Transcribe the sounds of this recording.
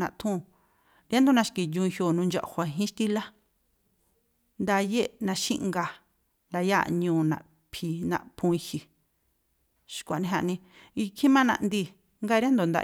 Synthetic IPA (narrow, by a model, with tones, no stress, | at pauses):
nã˧t̪ʰũ˦˨ | ɾja˦nd̪o˧nã˧ʃki˨jũ˧ĩ˧hjo˧˨nũ˧nd͡ʒa̰˧ʔhʷa˧ɦĩ˦ʃt̪i˦la˦ | nd̪a˧je˦nã˧ʃḭ̃˦ʔŋɡa˧ | nd̪a˧ja̰˦ɲũː˧˨nã̰˨ʔ | pʰi˧nã̰˧ʔpʰũ˧i˧hi˨ | ʃkʷa˨nĩ˧ɦa˧ʔnĩ˧ | i˧kʰĩ˦mã˦nã̰˧ʔnd̪i˧˨ | ŋɡa˦˧ɾi˦a˦nd̪o˨nd̪a̰˧